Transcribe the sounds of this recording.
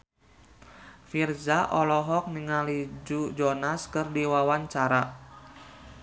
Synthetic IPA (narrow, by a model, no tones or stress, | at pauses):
firzaʔɔlɔɦɔk̚niŋalid͡ʒud͡ʒɔnaskɨrdiwawaɲt͡ʃaɾa